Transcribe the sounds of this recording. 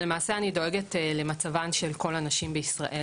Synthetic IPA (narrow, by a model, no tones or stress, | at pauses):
lemaːse̞anido̞e̞ɡetle̞mat͡savanʃe̞lko̞lanaʃimbeisʁa̰ʔe